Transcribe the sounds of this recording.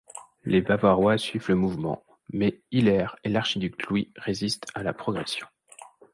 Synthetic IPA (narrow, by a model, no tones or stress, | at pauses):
lebavaʁwasɥivləmuvmɑ̰̃ | mɛilɛʁelaʁʃid̪yk̚t̪ʰlwiʁezist̪alapχɔɡʁɛsjɔ̃